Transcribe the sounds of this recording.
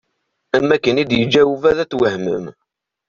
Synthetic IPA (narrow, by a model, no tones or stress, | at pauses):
æmækːənid̪jəd͡ʒːæwuvæðæt͡sːwəhmə̰m